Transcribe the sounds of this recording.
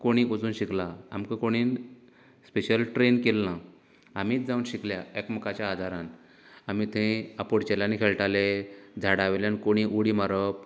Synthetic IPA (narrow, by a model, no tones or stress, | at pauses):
koɽ̃iːʔod͡zuːnɕiklaa̰mkakoɽ̃iːn | speɕəlʈɾenkelːã | amiːt͡sd͡zaunɕikljaekməkat͡ɕjaːd̪ʱaɾan | amit̪ʰẽapoɽt͡ɕelanikʰeɭʈaled͡zʱaɽaʋeljankoɽ̃iʔuɽimaɾəp